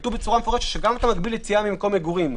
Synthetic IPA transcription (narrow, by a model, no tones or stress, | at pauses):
t̪uvbet͡suʁamefoeʃet̪ʃeɡamat̪amaɡbilet͡siamimeko̞meɡuʁim